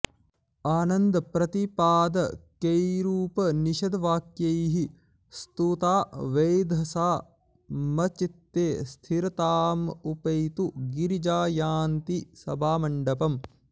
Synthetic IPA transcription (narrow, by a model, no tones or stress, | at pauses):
aːnɐnd̪ɐpɾɐt̪ipaːd̪ɐkejɾuːpɐniʃɐd̪ɐʋaːkjɐjɦi | st̪ut̪aːʋejd̪ʱɐsaː | mɐt͡ʃit̪ːeːst̪ʰiɾɐt̪aːmupɐjt̪uɡiɾid͡ʒaːjaːnt̪isɐbʱaːmɐɳɖɐpɐm